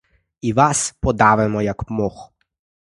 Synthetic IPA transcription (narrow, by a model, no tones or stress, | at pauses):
iʋaspɔd̪aːʋɛmɔjakmox